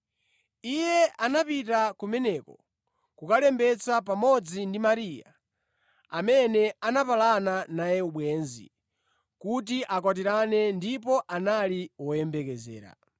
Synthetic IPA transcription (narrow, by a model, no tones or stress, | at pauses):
ijɛʔanapitakumɛnɛkɔ | kukalɛmbɛt͡sap̬amɔd͡zindimaɾiːja̰ | a̰mɛnɛanapalananajɛuɓwɛːnzḭ | kut̬iʔakwat̬iɾanɛndipɔʔanaliwɔjɛmbɛkɛzɛ̰ːɾa̰